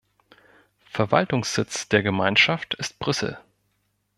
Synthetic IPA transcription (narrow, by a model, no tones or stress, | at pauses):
fɛɐvaltʊŋsz̥ɪt͡sd̥eːɐɡəmaɪnʃaftɪst̚b̥ʁʏsl̩